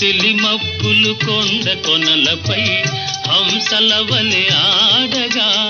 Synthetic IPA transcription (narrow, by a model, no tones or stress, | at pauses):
tɛlimɐpːɯlɯkonɖɐkɔnɐlɐpɐj | ɐmsɐlɐʋɐleaːɽɐɣa